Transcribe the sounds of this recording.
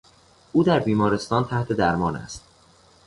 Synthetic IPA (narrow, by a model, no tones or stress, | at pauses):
ʔuːd̪æɾbiːmɒːɾe̞st̪ɒːnt̪ʰæht̪ʰe̞d̪æɾmɒːnæ̰st̪̚